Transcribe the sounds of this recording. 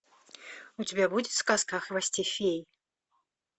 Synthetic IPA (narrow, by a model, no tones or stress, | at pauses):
ut͡sʲabʲɛbud͡zʲɛskaskaxvasʲt͡sʲifʲej